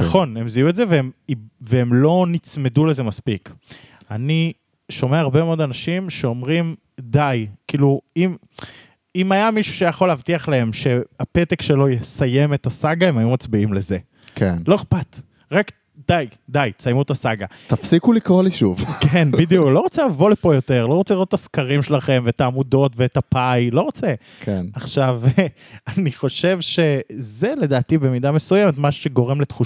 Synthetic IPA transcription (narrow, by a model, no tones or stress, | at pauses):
naχo̞ne̞mziuetze̞veemiveemlo̞nit͡sme̞dulezemaspik | ani | ʃo̞meaaʁbe̞meod̪anaʃimʃe̞o̞mʁim | d̪ajkiːluim | imajamiʃu̥ʃejaχo̞leːvtiaχlae̞mʃe̞apet̪ekʃelo̞jesaje̞met̪asaɡae̞majumat͡sbiimle̞ze̞ | kʰenlo̞eχpat̪ | ʁak | d̥ajdajsajmutasaɡat̪afsikulikʁoliʃuvkenbidijuklo̞ʁot͡selavo̞lepo̞jo̞te̞ʁlo̞ʁot͡seliʁotːaskaʁimʃelaχe̞mvetaːmudo̞tveetapajlo̞ʁot͡se | kenaχʃav | aniχo̞ʃe̞vʃe̞zele̞daːtibemidamesujemetmaʃu̥ʃeɡo̞ʁe̞mlet̪χu